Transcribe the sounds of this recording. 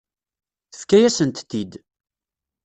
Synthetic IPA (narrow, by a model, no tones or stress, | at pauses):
θəfkːæjæsənt̪t̪ːid̪